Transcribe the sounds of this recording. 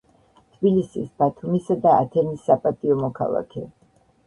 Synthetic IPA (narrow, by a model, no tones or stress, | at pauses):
t̪ʰbilisḭsb̥at̪ʰumisad̪aa̰t̪ʰɛnisːapʼat̪ʼiɔmɔkʰa̰lˠa̰kʰɛ